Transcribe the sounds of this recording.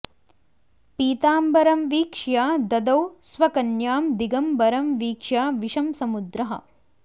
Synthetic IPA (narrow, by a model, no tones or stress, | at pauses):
piːt̪aːmbɐɾɐmʋiːkʂjaːd̪ɐd̪ɐwsʋɐkɐnjaːmd̪iɡɐmbɐɾɐmʋiːkʂjaːʋiʂɐmsɐmud̪ɾɐɦɐ̰̆